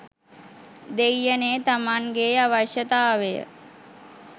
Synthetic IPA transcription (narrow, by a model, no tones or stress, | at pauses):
d̪ejːəneːt̪amaŋɡeːaʋaʃjət̪aːʋejə̰